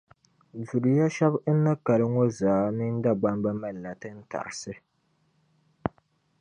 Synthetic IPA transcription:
zu˨ɾɨ˨ja˦ʃɛ˦bn̩˦nɨ˦ka˨lɨ˦ŋo˦zaː˨˦nɨ˦n̩˦da˦ɡ͡ba˦mba˦ma˦lla˨tɨ˦n̩˦ta̰˨ɾɨ˨sɨ˦

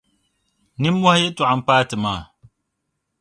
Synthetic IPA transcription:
nɨ˦mːɔ˦hjɛ˦tʊ˨ʔa˨m˨paː˦tɨ˨maː˦˨

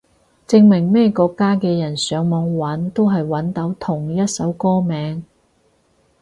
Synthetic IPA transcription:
t͡sɪ˧ŋmɪ˨˩ŋmɛː˥kɔː˧kːaː˥kɛː˧jɐ˨˩nsœː˨˧ŋmɔː˨˧ŋwɐ˨˥nt̪o˥wɦɐ˨jwɐ˨˥nt̪ɐ˨˥wt̪ʰʊ˨˩ŋjɐ˥t̚sɐ˨˥wkɔː˥mɛː˨˥ŋ

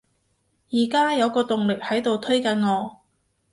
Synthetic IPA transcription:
jiː˨˩kaː˥jɐ˨˧wkɔː˧t̪ʊ˨ŋlɪ˨k̚hɐ˨˥jt̪o˨wt̪ʰɵ˥ɥkɐ˨˧˥nŋɔː˨˧

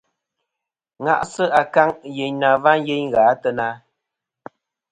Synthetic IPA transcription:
ŋa̰˦˨ʔsə˦ʔa˨ka˦ŋje˨ɲna˨va˦nje˦ɲɣaː˨˦tə˦na˦

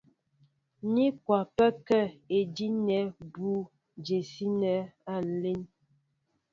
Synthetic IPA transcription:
ni˦kwa˨pɛ˦kɛ˦˨e˨di˦nɛ˨˦bu˦ | d͡ʒe˨si˦nɛ˨˦a˦˨n̩˨le˦n

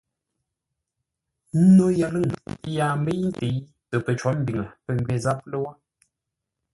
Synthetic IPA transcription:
n̩˦no˦ja˨lɨ˦˨ŋ˦jaː˨m˦bə˦n̩˦te˨˦ | tə˨pə˨t͡ʃɔ˨˦m̩˦bi˨ŋə˨pə˦˨m˨bɥe˨za˦p̚lə˦wa˦

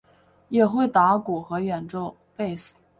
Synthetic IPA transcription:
jɛ˨˩xwe˥˩ɪt̪a˧˥ku˨˩xɤ˧˥ɥɛ˨˩nʈ͡ʂo˥˧ʊ | pe˥˩ɪs̩˨˦˩

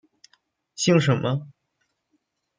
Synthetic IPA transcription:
ɕi˥˩ŋʂə˧˥nmʔə˧

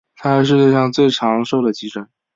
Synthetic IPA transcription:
t̪ʰa˥˧˥ʂ̬ɻ̩˥˧t͡ɕjɛ˥˧ʂɑ˥˧ŋt͡swe˥˩ɪʈ͡ʂʰɑ˧˥ŋʂo˥˩ʊd̪ə˩t͡ɕi˧˥ʈ͡ʂʰə˧˥n

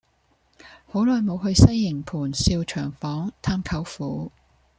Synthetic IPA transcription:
ho˨˥wlɔː˨jmo˨˧whɵ˧ɥsɐ˥jːɪ˨˩ŋpʰuː˨˩nsiː˧wt͡ʃʰœː˨˩ŋfɔː˨˥ŋt̪ʰaː˥mkʰɐ˨˥wfuː˨˥

